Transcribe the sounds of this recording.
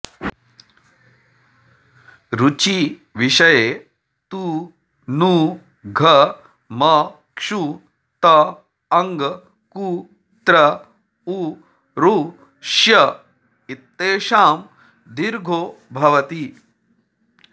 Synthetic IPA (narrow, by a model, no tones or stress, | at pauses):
ɾut͡ʃiʋiʂɐjeː | t̪uː | nuː | ɡʱɐ | mɐ | kʂu | t̪ɐ | ɐŋɡ | ku | t̪ɾɐ | uː | ɾuː | ʃjɐ | it̪ːeːʃaːm | d̪iɾɡʱoːbʱɐʋɐt̪i